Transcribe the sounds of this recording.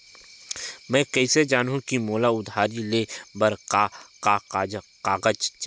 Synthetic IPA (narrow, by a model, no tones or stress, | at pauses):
mɛ̃ːkəɪsed͡ʒaːnɦũkimoːlaʊd̪ʱaːɾilebɐɾ | aqaːɡəd͡ʒt͡ʃ